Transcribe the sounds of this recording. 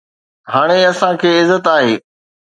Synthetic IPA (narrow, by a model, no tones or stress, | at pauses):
ɦaːɽ̃eɐsãkʰeːɪzːət̪aːɦeː